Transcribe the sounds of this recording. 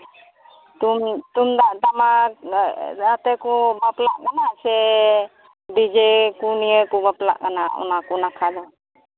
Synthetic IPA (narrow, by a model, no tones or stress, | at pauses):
t̪umt̪umd̪aʔt̪ama | at̪ɛkɔbaplaʔkanasɛ | d̪id͡ʒekunijəkɔbapla̰ʔkanaɔ̰nakɔnakʰad̪ɔ